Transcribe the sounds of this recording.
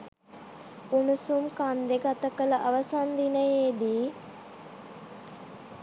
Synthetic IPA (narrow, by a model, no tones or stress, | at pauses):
unusumkand̪eɡat̪əkələʔaʋəsand̪inəjeːd̪iː